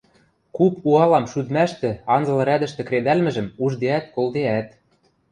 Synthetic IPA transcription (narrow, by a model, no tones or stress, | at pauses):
kupuɑlɑmʃyd̪mæʃt̪ɘ̆ɑnzɤ̆lˠɤ̆ɾæd̪ɘ̆ʃt̪ɘ̆kɾed̪ælmɘ̆ʒɘ̆muʒd̪eæt̪kolˠd̪eæt̪